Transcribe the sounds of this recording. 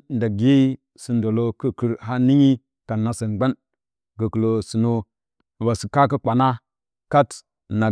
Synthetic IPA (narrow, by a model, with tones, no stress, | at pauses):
n˨da˨ɡi˦ | si˨ndo˨lo˦kə˦kə˨ɾɦa˦ni˦ɲi˦ | ka˨na˨sə˨nɡ͡ba˦n | ɡə˨kə˨lo˨si˨no˦˨ | ba˨si˨ka˦kə˦k͡pa˨na˦ | ka˦t | na˨